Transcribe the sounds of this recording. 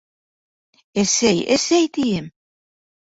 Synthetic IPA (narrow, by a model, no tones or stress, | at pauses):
esejḛsejt̪iɘm